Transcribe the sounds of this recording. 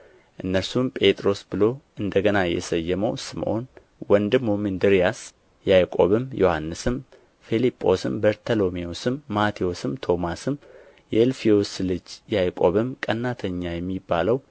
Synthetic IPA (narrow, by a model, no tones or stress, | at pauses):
ʔɨnːəɾsumpʼe̞t̪ʼɾo̞sbɨlo̞ʔɨnd̪əɡənajɛ̰səjːɛməwsɨmʔo̞̰n | wɔnd̪ɨmomɨnd̪ɨɾijas | jajkʼo̞̰βɨmjo̞hanːɨsɨm | filipʼːo̞sɨmbəɾt̪ʰəlo̞miosɨmːat̪ʰiosɨmt̪ʰo̞masɨm | jɛlfijoslɨd͡ʒjajkʼo̞βɨmkʼənːat̪ʰəɲːajɛmːibːaləw